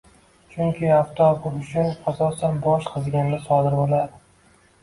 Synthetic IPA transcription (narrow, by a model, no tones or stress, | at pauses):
t͡ʃʰʊŋkʲʰɪaft̪ɒkʊɾʊʃɪnasɒsanbɒʃqʰɨzɡʲanlʲasɒd̪ɪɾbolˠad̪ɪ